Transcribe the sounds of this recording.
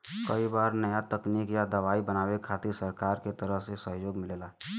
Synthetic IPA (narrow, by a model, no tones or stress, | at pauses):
kəibaːɾnəjat̪əkniːkjad̪əʋaːibənaːwekʰaːt̪isəɾkaːɾket̪əɾəɦsesəɦjoːɡmɪleːla